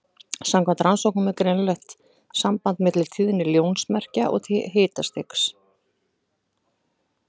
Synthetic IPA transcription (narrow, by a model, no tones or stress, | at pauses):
samkʰvɛnt̪ɾansowhknʏmɛkɾenlœht̪ | sampant̪mɛt̪lɪlt̪ʰiːðɪnːɪljoːwnsmɛr̥caʔɔ̰ɣt̪ʰːɦeːt̪ast̪ɪks